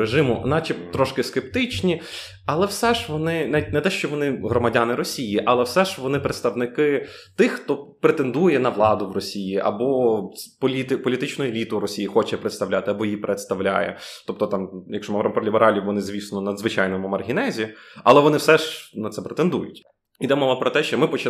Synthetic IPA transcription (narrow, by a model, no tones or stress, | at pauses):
ɾeʒɪmʊnɑt͡ʃɛt̪ɾɔʃkɪskep̚t̪ɪt͡ʃnʲi | ɐlˠɛwsɛʒʋɔnɪnaʋʲit̚ʲnɛt̪ɛʃt͡ʃɔʋɔnɪɦɾɔmɐdʲanɪɾɔsʲijiʔɐlˠɛwsɛʒʋɔnɪpɾet̪st̪ɐʋnɪkɪ | t̪ɪxːt̪ɔpɾet̪end̪ujɛnɐʋlˠɑd̪ʊʋrɔsʲijiʔɐ̰bɔpɔlʲit̪pɔlʲit̪ɪt͡ʃnʊelʲit̪ʊɾɔsʲijixɔt͡ʃɛpɾet̪st̪ɐʋlʲat̪ɪɐbɔjipɾʔet̪st̪ɐʋwlʲa̰jɛ̰t̪ɔp̚t̪ɔt̪ɑmjɐkʃɔmɐɾɐmpɔlʲibeɾɑlʲiʋɔnɪzʲʋʲisnɔnɐd̪zʋɪt͡ʃajnɔmʊmɐrɦʲinɛzʲiɐlˠɛʋɔnɪwsɛʒnɐt̪sɛpɾet̪end̪ujʊ̰tʲ | id̪ɛmɔʋɐpɾɔt̪ɛʃt͡ʃɔmɪpɔt͡ʃɪ